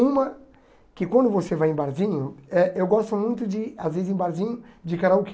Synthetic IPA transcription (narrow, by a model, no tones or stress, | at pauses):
ũmɐ | kɪkwɐ̃nd̪ʊvosevajẽbaɾzĩɲʊɛʔewɡɔst̪ʊmũj̃t̪ʊd͡ʒɪazvezɪzẽbaɾzĩɲʊd͡ʒɪkaɾaʊk